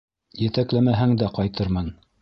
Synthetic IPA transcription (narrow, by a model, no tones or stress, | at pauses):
jɘ̆t̪æklæmæɦæŋd̪æqɑjt̪ɤɾmɤn